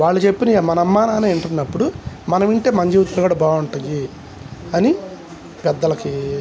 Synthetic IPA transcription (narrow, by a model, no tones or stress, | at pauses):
ʋaːɭːɐt͡ʃe̞pːinɐmɐnɐɐmːaːnaːneːiɳʈunːɐpːuɽu | mɐnɐmiɳʈeːmɐɲd͡ʒiːʋɐt̪ːulɐɡuːɽɐbaːuɳʈɐji | ɐni | pɛd̪ːɐlɐki